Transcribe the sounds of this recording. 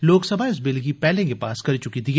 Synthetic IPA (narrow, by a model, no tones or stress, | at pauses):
loːksɐbʱaɪs̬bɪlɡipɛːlẽkepaːskɐɾit͡ʃʊkit̪iɦ